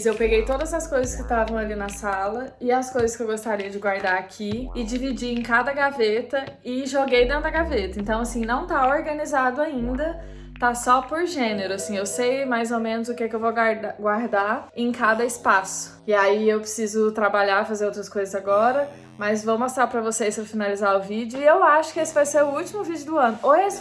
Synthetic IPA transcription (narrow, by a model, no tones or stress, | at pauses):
zewpeɡejt̪od̪ɐzɐskojzɐskɪt̪avɐ̃w̃alinɐsalɐɪɐskojzɐskɪewɡost̪aɾiɐd͡ʒɪɡwaɾd̪aɾakʰiɪd͡ʒivid͡ʒiẽkad̪ɐɡavet̪ɐɪʒoɡejd̪ẽnt̪ʊdɐɡavet̪ɐẽnt̪ɐ̃w̃asĩnɐ̃w̃t̪aoɾɡɐnizad̪ʊaĩnd̪ɐ | t̪asɔpoɾʒẽneɾʊasĩewsejmajzomẽnʊzʊkekɪewvoɡaɾaɡwaɾd̪aẽkad̪ɐɪspasʊ̥ɪaiewpɾɪsizʊt̪ɾabaʎaɾfazeɾowt̪̬ɾɐskojzɐzaɡɔɾɐ | mɐzvowmost̪ɾaɾpɾɐvosejspɾɐfinalizaɾʊvid͡ʒʊɪewaʃʊ̥kɪesɪvajseɾʊut͡ʃimʊvid͡ʒʊd̪ʊɐ̃nʊʔoɛs